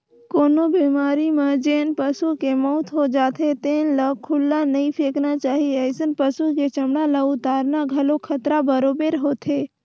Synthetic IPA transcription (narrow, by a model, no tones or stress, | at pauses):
koːnobiːmaːɾimãd͡ʒeːnpəsukemɔʊt̪ɦod͡ʒaːt̪ʰet̪eːnləkʰʊlːanɐĩpʰeːknat͡ʃaːɦieəsənpəsuket͡ʃɐmɽalaʊt̪aːɾnaɡʱɐlokʰət̪ɾabəɾoːbeːɾɦoːt̪ʰeː